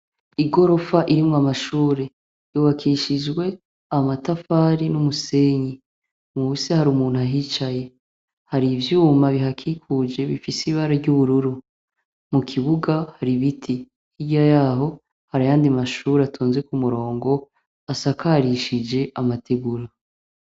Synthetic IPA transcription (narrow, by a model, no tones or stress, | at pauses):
iɡo̞ɾo̞faʔiɾimŋamaʃuːɾe̞ | juβakʰiʃid͡ʒɡwe̞ | amatafaːɾinumuse̞ːɲi | musehaɾumuːn̥huaɦiːt͡ʃaje̞ | haɾivjuːmaβiɦakʰikʰud͡ʒe̞βifisiβaɾaɾɟuβuɾuɾu | mukʰiβuɡahaɾiβitʰi | hiɟajaːɦo̞ | haɾajaːndimaʃuːɾeatʰuːnze̞kumuɾo̞ːŋɡo̞ | asakaɾiʃid͡ʒe̞ʔamatʰeɡuɾa